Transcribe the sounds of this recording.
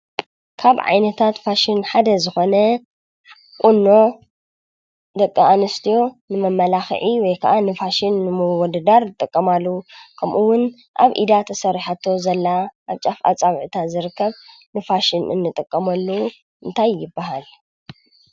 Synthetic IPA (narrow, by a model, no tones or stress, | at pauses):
kʰaβʕa̰jnɐt̪ʰat̪faʃɪnħad̪ɐzɨxo̞nɐ | kʼunːo̞ | d̪ɐkʼːɐʔanɐst̪ʰijo̞nɨmɐmːɐlaxʕiwɔjkʰɐʔanɨfaʃɪnːɨmwɔd̪ɐd̪aɾɨt̪ʼɨkʼːɐmalːukʰɐmʔuwʊn | ʔa̰βʔḭd̪at̪ʰɐsɐɾiħat̪ʰːo̞zɐlːaʔaβt͡ʃʼafa̰t͡sʼaβʕt̪ʰazɨɾɨkʰːɐβ | nɨfaʃɪnɨ̰nːɨt̪ʼɨkʼːɐmɐlːu | ʔɨnt̪ʰajːɪbːɐɦal